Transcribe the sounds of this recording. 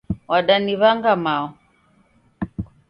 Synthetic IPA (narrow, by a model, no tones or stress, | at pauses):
waɗaniβaŋɡamaɔ